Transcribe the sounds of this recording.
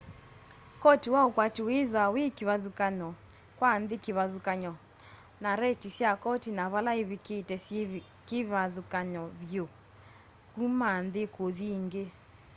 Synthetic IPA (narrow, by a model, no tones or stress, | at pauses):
kɔtewaokwateweðwawekeβaðukaɲɔ | kwanðekeβaðukaɲɔ | naɾɛtisjakɔtinaβalaeβeketɛs | keβaðukaɲɔβjo | kumanðekoðiŋɡe